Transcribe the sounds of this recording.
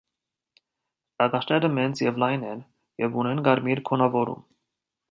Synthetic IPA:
t̪ɑɡɑt͡ʃʰnɛɾəmɛnt͡sjɛvlɑjnɛn | jɛvunɛnɡɑɾmiɾkʰɔnɑvɔɾṵm

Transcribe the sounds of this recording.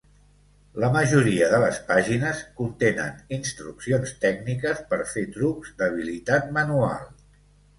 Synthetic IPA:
ləməʒuɾiəðələspaʒinəskunt̪enə̰ninst̪ɾuksionst̪ɛɡnikəspəɾfet̪ɾukzd̪əβ̞ilit̪at̪̚mənua̰lˠ

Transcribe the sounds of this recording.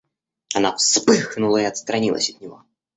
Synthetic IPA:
ɐnafspɨxnʊlˠəiɐt̪st̪ɾɐnʲilˠə̰sʲɐt̪̚nʲɪvo

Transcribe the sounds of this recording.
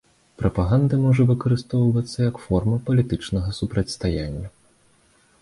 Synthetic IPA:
pɾʔɐpaɣand̪ɨmɔʐɐvɨkɐɾɨst̪ɔwvɐt̪sːɐjɐkfɔrmɐpɐlʲit̪ɨt͡ʂnɐɣɐsupɾɐt͡sʲst̪ajanʲːɐ

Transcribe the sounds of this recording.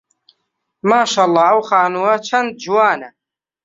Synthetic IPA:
maːʃaːlˤːɑːɐwxaːnuːɐt͡ʃʰɐnd̪̚d͡ʒuwaːnɐ

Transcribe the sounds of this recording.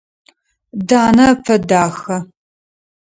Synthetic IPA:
daːnɐpʰɐdaːxɐ

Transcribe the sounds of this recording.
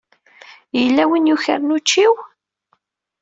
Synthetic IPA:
jəlːæwinjuçə̰ɾnut͡ʃːiw

